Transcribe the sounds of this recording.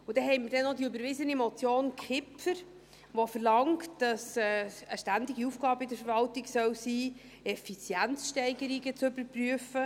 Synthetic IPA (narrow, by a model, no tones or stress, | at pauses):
ʊd̥̪ɛɦɛɪmidɛnːɔdiybəɾʋɪzənimɔt͡sjoːnkʰχɪpfəɾ | ʋofəɾlɑŋktd̥ɑsɛəʃtænd̪ɪɡiufɡ̥ɑːbəidəɾfəɾvɑltɪɡsœwsiː | ɛfit͡sjænt͡sʃtɛɪɡəɾiɡət͡sʏbəɾpryəfə